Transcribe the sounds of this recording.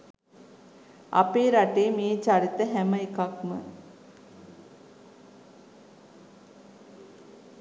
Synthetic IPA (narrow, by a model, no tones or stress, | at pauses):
a̰peːɾaʈeːmeːt͡ʃaɾit̪əɦæməekakmə